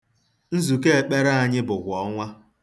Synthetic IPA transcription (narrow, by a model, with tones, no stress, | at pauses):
n̩˦zu˨ke˦e˨k͡pe˦ɾa˦a˨ɲɪ˦bʊ˨ɡʷɔ˨˦ŋʷa˦